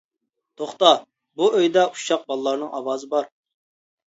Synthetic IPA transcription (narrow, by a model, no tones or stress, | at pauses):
t̪ʰoχt̪ɑ | buøjd̪ɛu̥ʃɑq̚bɑlˠːɑɾnɨŋʔɑwɑːzɨbɑɾ